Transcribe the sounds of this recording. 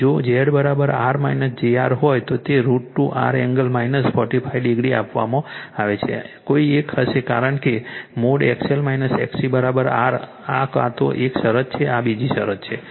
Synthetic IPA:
d͡ʒod͡ʒeɽbəɾabəɾa̰ɾmainəsd͡ʒeaɾɦojt̪ot̪eɾuʈːũʔa̰ɾɛŋɡəlmajnəspɔʈipʰaiɖiɡɾia̰pʋa̰mãaʋet͡ʃʰḛkoiekhəʃeka̰ɾəɳkemoɽɛkselmainəsɛ̰ksibəɾabəɾa̰ɾ | aka̰t̪o̰ʔekʃəɾət̪t͡ʃʰeabid͡ʒiʃə̰ɾətt͡ʃʰe

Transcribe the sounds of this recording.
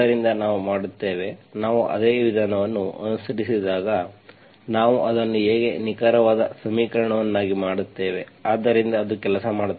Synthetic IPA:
ɐɾind̪ɐnaːʋumaːɽut̪ːe̞ːʋe̞naːʋuʔɐ̰d̪eːʋid̪ʱaːnɐʋɐnːuɐnusɐɾisid̪aːɡɐ | naːʋuʔɐd̪ɐnːueːɡe̞nikaːɾɐʋaːd̪ɐsɐmiːkɐɾɐɳɐʋɐnːaːɡimaːɽut̪ːe̞ːʋe̞aːd̪ːɐɾind̪ɐːd̪ukɛlɐsɐmaːɽ

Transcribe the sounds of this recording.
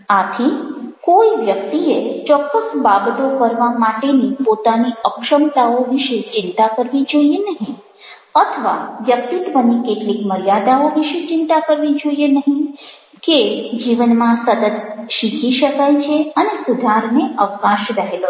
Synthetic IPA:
at̪ʰĩkoiʋjəkt̪iet͡ʃɔkːəsbabt̪okəɾʋamaʈenipot̪aniəkʃəmt̪aoʋiʃet͡ʃɪnt̪akəɾʋid͡ʒoienəɦĩ | ət̪ʰəʋa̰ʋjək̚t̪it̪ʋənːikeʈlikməɾijad̪aoʋiʃet͡ʃɪnt̪akəɾʋid͡ʒoijenəɦĩ | ked͡ʒiʋənmãsət̪ət̪ʃikʰiʃəkajt͡ʃʰeənesud̪ʱaɾneʔəʋəkaʃɾəɦelo

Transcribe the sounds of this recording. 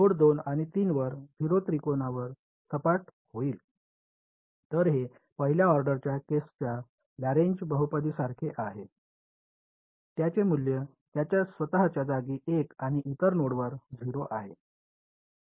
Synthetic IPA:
noɽd̪onaɽ̃it̪iːnʋəɾd͡zʱiɾot̪ɾikonaʋəɾ | səpaʈ | hoiːl | t̪əɾɦe | pəɦiljaɔɾɖəɾt͡ɕjakest͡ɕja | laɾeɲd͡ʑbəɦupəd̪iːsaɾkʰeʔaɦe | t̪jat͡ɕemuljə | t̪jat͡ɕjasʋət̪aɦat͡ɕjad͡zaɡiːʔekaɽ̃iʔit̪əɾnoɽʋəɾd͡zʱiɾoʔaɦe

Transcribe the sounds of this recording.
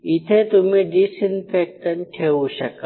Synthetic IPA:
ɪt̪ʰet̪ʊmẽɖisɪnpʰeːk̚ʈənʈʰeːuʃɐka

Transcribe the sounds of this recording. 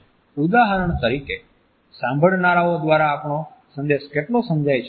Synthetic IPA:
ud̪aɦəɾəɳt̪əɾike | sãmbʱəɭnaɾaod̪ʋaɾaːpɳosə̃nd̪eʃkeʈlosə̃nd͡ʒajt͡ʃʰ

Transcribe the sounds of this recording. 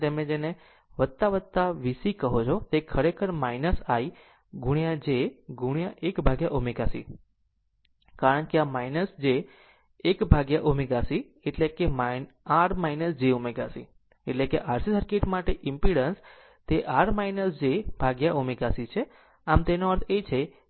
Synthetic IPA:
t̪emẽd͡ʒene | ʋət̪ːaʋət̪ːaʋisikəɦot͡ʃʰot̪ekʰəɾekʰəɾmainəsai | ɡʱuɽ̃ijãd͡ʒeɡʱuɳ̃ijãʔekbʱaɡjaʔumiɡasḭ | kaɾəɳkeamainəsd͡ʒeː | kbʱaɡjaʔumiɡasi | eʈlekema | aɽmainəsd͡ʒeumiɡasḭ | eʈlekeʔaɾsisəɾkeʈmaʈeʔɪmpiɽəns | t̪eʔaɽmainəsd͡ʒebʱaɡjaʔumiɡasit͡ʃʰe | amt̪enoəɾt̪ʰet͡ʃʰe

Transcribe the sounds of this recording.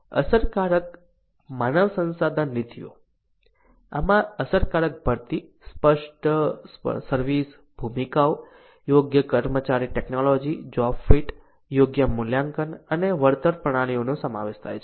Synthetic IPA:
ə̰səɾkaɾək | manəʋsə̃nsad̪ʱənlit̪ʰijo̰ | a̰mãəsəɾkaɾək̚bʱəɾt̪ispəʂʈ | səɾʋis | b̥ʱumikao | joɡjəkəɾmət͡ʃaɾiʈeknolod͡ʒid͡ʒɔffiʈ | joɡjəmuljaŋkənəneʋəɾt̪əɾpɾəɽ̃aɽ̃ionosəma̰ʋeʃt̪ʰa̰jt͡ʃʰe

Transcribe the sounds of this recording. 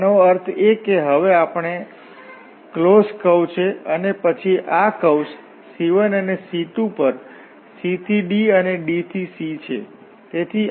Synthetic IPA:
noəɾt̪ʰekeɦəʋeapɳ̃e | kloskəwt͡ʃʰeənepət͡ʃʰiʔakəws | siʋənənesit̪ũpəɾ | sit̪ʰiɖiəneɖit̪ʰisit͡ʃʰḛ | t̪et̪ʰi

